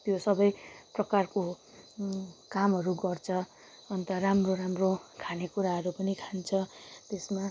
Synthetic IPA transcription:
t̪josʌbʌjprʌkarko | kamɦʌɾuɡʌrt͡sʰʌː | nt̪ʌramroɾamrokʰanekuɾaɦʌɾupʌnikʰant͡sʰʌt̪esma

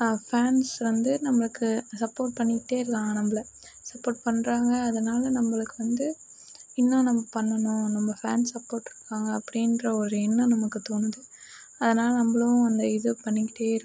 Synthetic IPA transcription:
faːnsʋɐnd̪ɯnɐmːɐɭɯkːɯsɐpːoːɾʈ̚pɐɳːɪkːɪʈːeːɪɾɯkːaːŋɡɐnɐmbɐɭɐ | sɐpːoːʈ̚pɐɳːɾaːŋɡɐːðɐnaːlɐnɐmːɐɭɯkːɯʋɐnd̪ɯ | ɪnːõnɐmːɐpɐɳːɐnʊ̃nɐmːɐfa̰ːnsːɐpːoːɾʈːɪɾɯkːaːŋɡɐːpːɐɽɪndrɐɔɾɯɛnːɐ̃nɐmɐkːɯt̪oːnɯðɯ | ɐðɐnaːlɐnɐmːɐɭɐʋʊ̃ɐnd̪ɐɪðɯpɐɳːɪkːɪ̥ʈːeːɪɾɯ

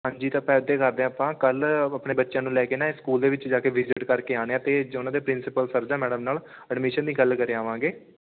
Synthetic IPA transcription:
ɦãːɲd͡ʒiːt̪ãːpɛːd̪eːkəɾd̪ẽːəpãːkələpneːbətːʃjãːnũːlɛːkeːnaːskuːld̪eːʋɪt͡ʃd͡ʒaːkeːʋɪd͡ʒɪʈkəɾkeːaːɽeːãːt̪eːd͡ʒʊnãːd̪eːpɾɪnsɪpəlsəɾd͡ʒãːmɛːɖəmnaːl | əɖmɪʃənd̪iːɡəlkəɾeːaːʋãːŋɡeː

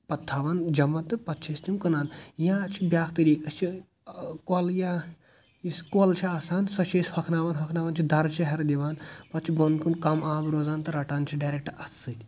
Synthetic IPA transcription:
pɐt̪ʰːaːʋand͡ʒɐmɐt̪ɨpɐt̪t͡ʃʰest̪ʲimkɐnaːnjãt͡ʃʰibjaːkʰt̪ɨɾiːkɐst͡ʃʰi | kolja | iskolt͡ʃʰiaːsaːnsɐt͡ʃʰeshɐkʰnaːʋɐnɦɐkʰnaːʋɐnt͡ʃʰid̪ʱɐɾt͡ʃʰɐɦɐɾd̪iʋaːnpɐt̪̚t͡ʃʰibɐnd̪kunkɐmaːmɾoːzaːnt̪ɨɾɐʈaːnt͡ʃʰiɖaːjɾek̚ʈɐsɨt̪ʲ

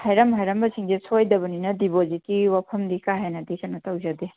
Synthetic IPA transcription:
hɐjɾɐmɦajɾɐmbɐsiŋzesʰojd̪ɐbɐninɐdibozitiwapʰɐmd̪ikaɦenɐd̪ikɐnɐtɐwzɐd̪i

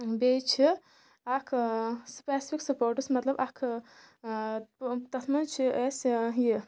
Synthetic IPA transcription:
bet͡ʃʰi | akʰspeːsipʰiksɐpoːɾʈɨsmɐt̪lɐbakʰ | t̪ɐt̪ʰmɐnt͡ʃʰiʔesji

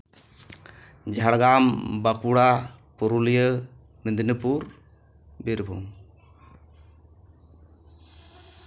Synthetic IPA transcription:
d͡ʒʱaɽɡambakuɽapɔɾulijə | mid̪inəpuɾ | biɾbʱuŋ

